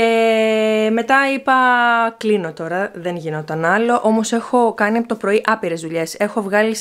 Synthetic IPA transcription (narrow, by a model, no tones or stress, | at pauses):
e | me̞t̪ɐipɐklino̞t̪o̞ɾɐðe̞nʝino̞t̪ɐnɐlo̞ʔo̞mo̞se̞xo̞kɐniɐpot̪opɾo̞iʔɐpiɾe̞zðuʎe̞se̞xo̞vɣɐli